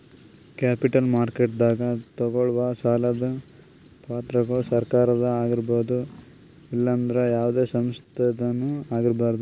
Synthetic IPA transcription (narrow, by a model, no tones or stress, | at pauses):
kaːpiʈɐlmaːɾkeʈ̚d̪aːɡɐt̪ɔɡoɭʋɐsaːlɐd̪ɐ | paːt̪ɾɐɡɐɭsɐɾkaːɾɐd̪ɐaːɡiɾboːd̪u | ilːɐːnd̪ɐɾejaːʋd̪e̞ːsɐmst̪ʰed̪ɐnːuaːɡiɾbaːɾd̪u